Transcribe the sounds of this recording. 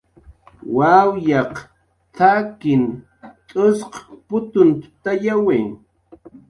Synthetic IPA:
wawjɑq | t͡s̪ʰakɪn | t̪ʼʊsqpʊt̪ʊnt̪ʊ̥t̪ajaweː

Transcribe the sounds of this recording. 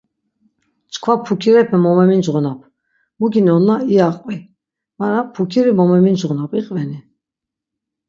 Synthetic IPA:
t͡ʃkʰvapʰukʰiɾɛpʰɛmɔmɛmind͡ʒʁunapʰ | muɡinɔnaiaqʼvi | maɾapʰukʰiɾimɔmɛmind͡ʒʁunapiqʼvɛni

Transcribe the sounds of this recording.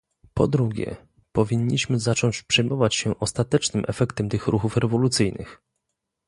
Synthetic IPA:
pɔ̰d̪ɾuɡʲɛ̰ | pɔvʲiɲːiɕmɘzat͡ʂɔɲt͡ɕpʂɛjmɔvat͡ɕɕɛʔɔst̪at̪ɛt͡ʂnɘmʔɛfɛkt̪ɛmt̪ɘxɾuxufɾɛvɔlut̪sɘjnɘ̰x

